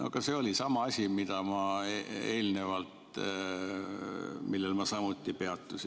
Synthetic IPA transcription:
ʔo̰kɑse̞o̞lisɑmɑɑsʲimid̪̥ɑmɑee̞ːlne̞vɑlt̪ | milːelmɑsɑmut̪ːˑipe̞ɑt̪ːˑusʲi

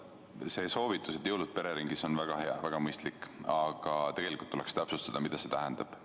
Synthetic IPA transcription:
se̞so̞ːvit̪ːˑuset̪jɤwlud̪̚pe̞ɾe̞ɾiŋɡiso̞nvæɡ̥ɑɦe̞ɑ̰væɡ̥ɑmɤjst̪likːˑɑɡ̥ɑt̪e̞ɡ̥e̞likˑult̪ːulekst̪æpsust̪ɑd̪ɑmid̪ɑse̥t̪æɦænd̪̥ɑb̥

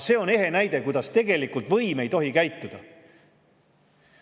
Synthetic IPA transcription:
se̞ːo̞ne̞ɦe̞næjd̪̥e̞kujd̪̥ɑst̪e̞ɡ̥e̞likˑult̪vɤjme̞jt̪o̞ɦikæjt̪ːˑud̪̥ɑ

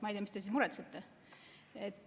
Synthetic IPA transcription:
mɑejd̪ʲijɑmist̪es̬ismuɾɛt̪sut̪ːe | et̪ː

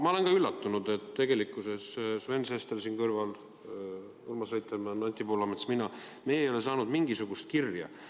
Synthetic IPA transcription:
mɑo̞le̞nkɑylːɑt̪ːunud̪̥e̞t̪te̞ɡ̥e̞likːˑuse̞ssve̞nsest̪elsinkɤrvɑl | urmɑsrejt̪ːˑɑmɑnɑnʲt̪ipolɑmesminɑ | me̞jejo̞le̞sɑːnud̪̥miŋɡ̥isuɡ̥ust̪̚kirjɑ̰

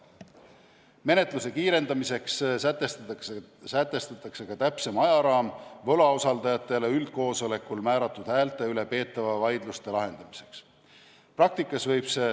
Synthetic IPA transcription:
me̞ne̞t̪ˑluse̞kiːɾe̞nd̪ɑmise̞kst̪e | sæt̪ːˑe̞st̪ɑt̪ːˑɑkse̞kɑt̪æpse̞mɑjɑɾɑːmvɤlɑosɑld̪̥ɑjɑt̪ːˑe̞leyld̪̥̚ko̞ːso̞le̞kulmæːɾɑt̪ːˑud̪̥hæːlt̪ːˑeyle̞pe̞ːt̪ːˑɑvɑvɑjd̪̥lust̪e̞lɑɦe̞nd̪̥ɑmise̞̥ks | prɑk̚t̪ikːˑɑsvɤjb̥se̞

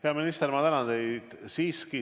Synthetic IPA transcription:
peɑminist̪eɾmɑt̪ænɑnd̪e̞jd̪̥siːski

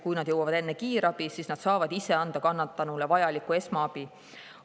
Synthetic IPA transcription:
kujnɑd̪̥jɤwɑvɑd̪e̞nːekiːɾɑb̥isiːsnɑd̪̥sɑːvɑd̪̥ise̞ɑnd̪̥ɑkɑnːɑt̪ːˑɑnulevɑjɑlikːˑue̞smɑɑb̥i

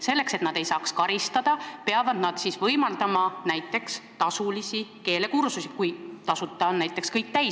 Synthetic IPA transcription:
se̞lːe̞kse̞t̪nɑd̪e̞jsɑːkskɑɾist̪ɑd̪̥ɑpeɑvɑd̪̥nɑd̪̥sisvɤjmɑld̪ɑmɑnæjt̪ːˑe̞kst̪ɑsulisike̞ːle̞kuɾsusikujt̪ɑsut̪ˑːɑonnæjt̪ːˑe̞kskɤjk̚t̪æj

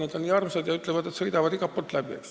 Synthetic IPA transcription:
ned̪onːiɑrmsɑd̪jɑyt̪ːˑlevɑd̪et̪sɤjd̪ɑvɑd̪iɡɑpːot̪ːˑlæbiḛks

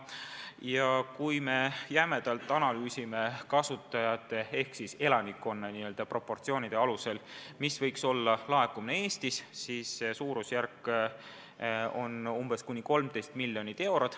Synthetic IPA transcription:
jɑkujme̞jæme̞d̪̥ɑlt̪ːˑɑnɑlyːsime̞kɑsut̪ːˑɑjɑt̪ːˑe̞e̞hksise̞lɑnikːˑo̞nːeniøld̪ɑpro̞pːo̞rt̪sio̞ːnʲid̪̥eɑluse̞lmisvɤjkso̞lːɑlɑe̞kːumnee̞ːst̪issiːsːesuːɾusjærkː | o̞numb̥e̞skunʲːiko̞lmt̪e̞jst̪milʲːjo̞nʲit̪ːˑe̞wɾot̪

